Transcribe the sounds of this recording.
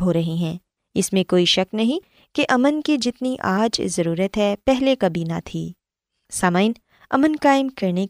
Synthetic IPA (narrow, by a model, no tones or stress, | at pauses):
bʱoːɾɐɦiɦɛ̃ː | ɪsmẽkoːiʃɐknɐɦĩ | keʔɐmənked͡ʒɪt̪niʔaːd͡ʒ̰zɐɾuːɾət̪ɦɛpɛɦlekɐbiːnat̪ʰḭː | saːmaːɪn | ɐ̰mənkaːɪmkɐɾne